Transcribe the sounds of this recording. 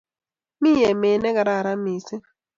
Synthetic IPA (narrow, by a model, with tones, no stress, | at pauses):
miː˦je˨me˨ne˦ɡa˨ɾa˨ɾa˦mi˨si˦